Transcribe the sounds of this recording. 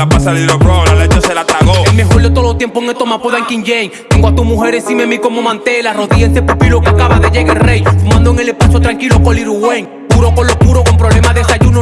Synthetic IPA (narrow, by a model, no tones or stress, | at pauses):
et͡ʃselat̪aɣelme̞xo̞ɾd̪e̞t̪oðot̪je̞mpoeŋet̪o̞mapoðaŋkiŋʝeŋt̪eŋɡwat̪umuxe̞ɾesimemiko̞mo̞mãnt̪e̞laro̞ðiensepupilokeakaβaðeʝeɣelrejfumãnd̪oeŋe̞lepasot̪ɾaŋkilokoliɾuɣwe̞ŋ | puɾo̞kolo̞puɾo̞ko̞mpɾoβle̞maðesaʝuno